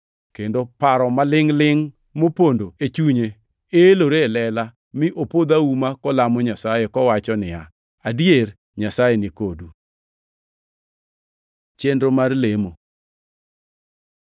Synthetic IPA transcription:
kendopaɾɔmalɪŋlɪŋ | mopondoet͡ʃuɲe | eloɾelɛla | mɪʔopod̪aumakɔlamɔɲasajekɔwat͡ʃɔnɪja | adjer | ɲasajenɪkodu | t͡ʃendɾomarlemo

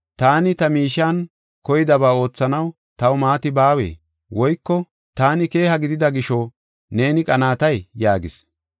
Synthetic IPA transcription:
t̪aːnɪt̪ɐmiːʃːaːn | kɔjɪd̪ɐbaːo̞ːt͡sːɐnɐw | t̪ɐwʊmaːt̪ɪbaːwḛː | wɔjkːɔ | t̪aːnɪke̞ːhɐɡɪd̪ɪd̪ɐɡɪʃɔ | ne̞ːnɪkʼɐnaːt̪ɐjːaːɡɪ̰s

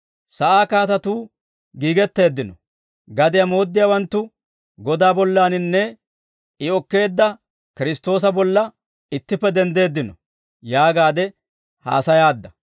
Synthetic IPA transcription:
sɐʔaːkaːt̪ɐt̪uː | ɡiːɡɛt̪ːe̞ːd̪ːɪnɔ | ɡɐd̪ɪjɐmo̞ːd̪ːɪjawɐnt̪ːʊ | ɡɔd̪aːbɔlːaːnɪnːɛ | ɪɔkːe̞ːd̪ːɐ | kɪɾɪst̪o̞ːs̬ɐbɔlːɐ | ɪt̪ːɪpːɛd̪ɛnd̪e̞ːd̪ːɪnɔ | jaːɡaːd̪ɛ | ha̰ːsɐjaːd̪ːɐ

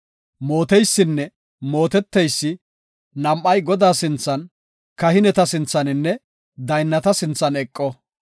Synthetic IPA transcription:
mo̞ːt̪ɛjsːɪnːɛ | mo̞ːt̪ɛt̪ːɛjsːɪ | nɐmʔɐjɡɔd̪aːsɪnt͡sːɐn | kɐhɪnɛt̪ɐsɪnt͡sːɐnɪnːɛ | d̪ɐjnːɐt̪ɐsɪnt͡sːɐnɛkʼːɔ

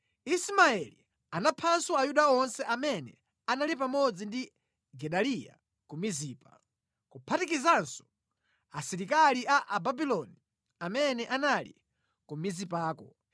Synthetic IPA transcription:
ismaɛlḭ | anapʰanswɔajuɗaɔnsɛʔamɛnɛ̰ | analipamɔd͡zindi | ɡɛɗalija̰ | kumiziːpa | kupʰatikizansɔ̥ | asiɾikaliaʔababilɔni | amɛnɛʔanalḭ | kumizipaːkɔ

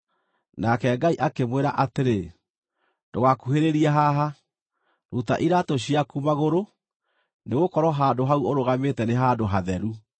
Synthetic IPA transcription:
nakɛɡaiʔakemweɾaʔateɾe | dowakuheɾeɾiɛɦaɦa | ɾuta̰ʔiɾatoɕ̬iakumaɣoɾo | neɣokɔɾɔɦaːndoɦauoɾoɣametɛneɦaːndoɦaðɛɾu

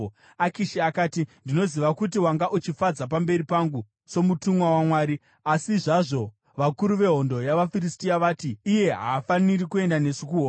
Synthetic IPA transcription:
akiʃiakaːtindino̞ziʋakut̬iwaŋɡaʔut͡ʃifad͡zap̬ambe̞ɾipaŋɡu | so̞mutumwawamwaːɾi | asiʐaʐo̞ | ʋakuɾuʋe̞ɦo̞ndo̞jaʋafiɾistiaʋaːtiːje̞ɦa̰ːfanirikue̞ndane̞sikuɦoː

